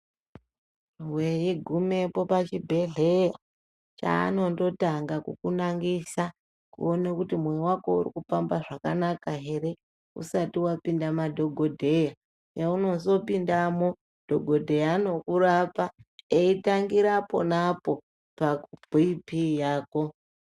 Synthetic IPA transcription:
rwejiɡʱume̞po̞pat͡ʃibʱe̞ɮe̞ja | t͡ʃa̰ːno̞ndo̞taŋɡakukunaŋɡisa | kṵo̞nekutimwejwako̞urḭkufambaʐakanakaɦe̞ɾe̞ | ṵsatiwapindamadʱo̞ɡʱo̞dʱe̞ja | jauno̞so̞pindamo | d̥ʱo̞ɡʱo̞dʱe̞jaːno̞kuɾapaeitaŋɡiɾapo̞̰napo̞ | pakub̥ʱipijaːko̞

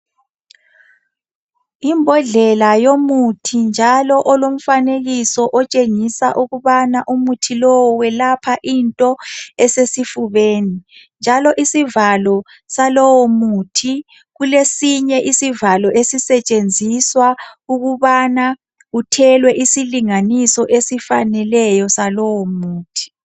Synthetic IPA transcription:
imbʱɔɮɛlajomutʰind͡ʒʱalɔʔɔlom̩faneɣisɔʔɔt͡ʃʼeŋisaʔuɣuβanaʔumutʰilɔwɔwɛlapʰaʔintʼɔɛsesifuβeːnind͡ʒʱalɔʔisivalɔ | salɔwɔmuːtʰi | ɣulesiɲɛʔisivalɔʔesisɛt͡ʃʼend͡zʱiswauɣuβana | utʰɛlwɛʔisiliŋanisɔʔesifanɛlɛjɔsalɔwɔmuːtʰi̥

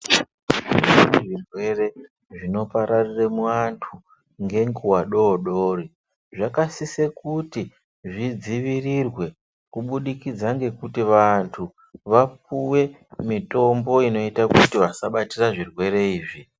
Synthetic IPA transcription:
ʐiʐiniʐirwe̞re̞ | ʐino̞paɾariremuantʰu | ŋɡe̞ŋɡuwaɗo̞ːɗori | ʐakasisekuti | ʐid͡ziʋirirwe̞ | kuɓuɗikid͡zaŋɡe̞kutiʋantʰu | ʋapuwe̞ | mito̞mboino̞itakutiʋasaɓatiraʐirwe̞ɾe̞iːʐi

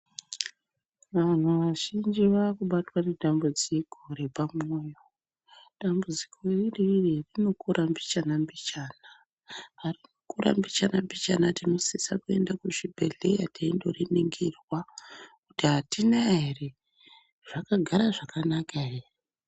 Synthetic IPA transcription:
ʋan̤uʋaʒind͡ʒiʋakuɓatwane̞dʱambud͡ziko̞ɾe̞pamoːjo | dambud͡zikʰo̞ririririno̞kuɾʔambit͡ʃanambit͡ʃaːna | arino̞kuɾʔa̰mbit͡ʃanambit͡ʃanatino̞sisakue̞ndakuʐibʱeɮejateindo̰riniŋɡerwakutiɦatinaɦere | ʐ̥akaɡʱaɾaʐakanakaɦere

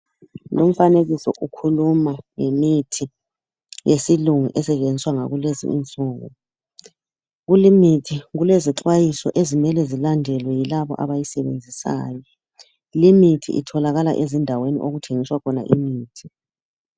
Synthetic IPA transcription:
lom̩faneɣisɔʔukʰulumaŋemitʰi | jesiluŋṵʔɛsɛt͡ʃend͡ziswaŋa̰ɣulezḭḭnt͡sʼɔːɣɔ̰ | ɣulimitʰiɣuleziǁwajisɔ̰ʔezimɛlɛzilandʱɛlwɛjilaβɔ̰ʔa̰βajisɛβḛnd͡zʱisa̰ːjɔ | limitʰḭʔḭtʰɔlaɣala̰ʔezindʱawenḭʔoɣutʰeŋiswakʰɔna̰ʔimiːtʰi̥

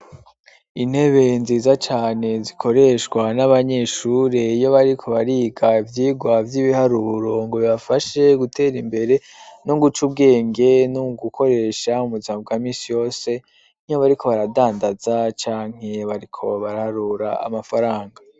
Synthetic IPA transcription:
in̥he̞βe̞nziːzat͡ʃaːne̞zikʰo̞ɾe̞ʃkwanaβaɲe̞ʃuɾe̞ijo̞βaɾikʰo̞βaɾiɡavjiːɡwavjiβihaɾuɾo̞ŋɡo̞βiβafaʃe̞ɡute̞ːɾimbe̞ɾe̞ | nuɡut͡ʃubɡe̞ːŋɡe̞nuɡukʰo̞ɾe̞ʃaumuzimabɡaːmiːsijo̞ːse̞ | nioβaɾikʰo̞βaɾadaːndazat͡ʃaːŋ̥e̞βaɾikʰo̞βaɾahaɾuːɾaa̰mafaɾaːŋɡa

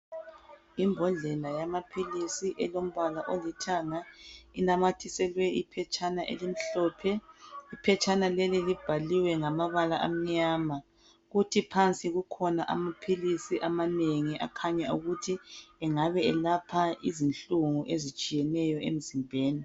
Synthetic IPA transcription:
imbʱɔɮɛlajamapʰilisiʔɛlom̩βalaʔolitʰaŋainamatʰisɛlwɛipʰɛt͡ʃʼanaʔḛlim̩ɬɔːpʰɛipʰɛt͡ʃʼanalɛlilib̥ʱaliwɛŋamaβalaʔa̰m̩ɲaːma | ɣutʰipʰant͡sʼiɣukʰɔnaʔa̰mapʰilisiʔamaneŋiʔa̰kʰaɲauɣutʰiɛŋaβɛɛlapʰaizinɬuŋuʔezit͡ʃʼijɛnɛjɔem̩zimbʱeːni

